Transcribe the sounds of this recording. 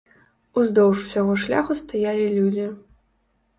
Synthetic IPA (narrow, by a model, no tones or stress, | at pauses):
uzd̪ɔwʂu̥sʲaɣɔʂlʲaxust̪ajalʲilʲud͡zʲi